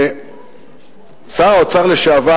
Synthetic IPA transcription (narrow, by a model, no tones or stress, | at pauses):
saʁot͡saʁleʃeava